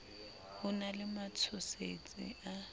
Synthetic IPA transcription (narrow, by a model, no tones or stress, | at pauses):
hʊnalɪmat͡sʰʊset͡sʼɪ̰ʔa